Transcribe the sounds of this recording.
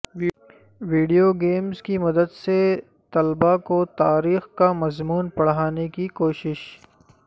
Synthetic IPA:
ʋiːɖijoɡeːmzkimɐd̪əd̪se | t̪ɐlbakot̪aːɾiːxkamɐzmuːnpɐɽɦaːnekikoːʃɪʃ

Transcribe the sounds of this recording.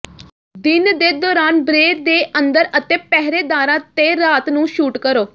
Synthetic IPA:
d̪ɪnd̪eːd̪ɔːɾaːnbɾeːɾd̪eːənd̪əɾət̪ẽːpɛɦɾeːd̪aːɾãːt̪eːɾaːt̪nũːʃuːʈkəɾoː

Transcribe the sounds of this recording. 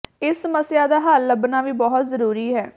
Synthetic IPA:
ɪsːəməsɪjaːd̪aːɦaːlːəbnaːʋiːbɔːt̪zəɾuːɾiːɦɛː

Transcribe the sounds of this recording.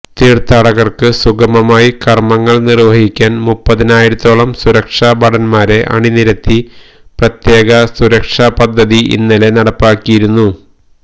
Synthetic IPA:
t̪iːrt̪aːɽɐɣɐrkɨsuɡɐmɐmaːjikɐrmɐŋːɐɭnirʋɐɦikʲːaːnmupːɐðinaːjiɾut̪ːo̞ːɭɐmsuɾɐkʂaːbɐɽɐnmaːɾe̞ʔɐ̰ɳiniɾɐt̪ːi | prɐt̪je̞ːɣɐsuɾɐkʂaːpɐd̪ʱːɐðiʔḭnːɐle̞nɐɽɐpːaːkːijiɾunːu

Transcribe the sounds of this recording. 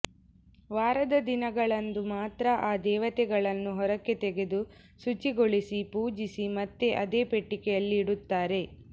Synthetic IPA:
ʋaːɾɐd̪ɐd̪inɐɡɐɭɐnd̪umaːt̪ɾɐʔaːd̪ɛːʋɐt̪ɛɡɐɭɐnːuɦɔɾɐkːe̞t̪ɛɡe̞d̪u | sut͡ʃiɡoɭisipuːd͡ʒisimɐt̪ːe̞ʔɐd̪eːpeʈːikɛjɐlːiːɽut̪ːaːɾe̞

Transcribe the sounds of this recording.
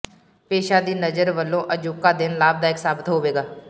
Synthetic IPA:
peːʃaːd̪iːnəd͡ʒəɾʋəlːõːʔəd͡ʒʊːkːaːd̪ɪnlaːb̚d̪aːɪksaːbɪt̪ɦoːʋeːɡaː

